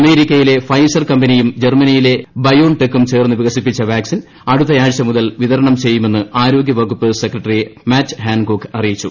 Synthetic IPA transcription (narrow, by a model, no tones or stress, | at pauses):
ɐme̞ːɾikʲːɐjile̞fɐjsɐrkɐmbɐnijumd͡ʑermɐnijile̞bɐjoːnʈekːumt͡ɕe̞ːrnːɨʋiɣɐsipːit͡ɕːɐʋaːksin | ɐɽut̪ːɐjaːɻɕɐmuðɐlʋiðɐɾɐɳɐmt͡ɕe̞jːume̞nːɨaːɾo̞ːɡʲjɐʋɐɣupːɨsekrɐʈːɐrimaːt͡ɕːɦaːnkoːkːɐrijit͡ɕːu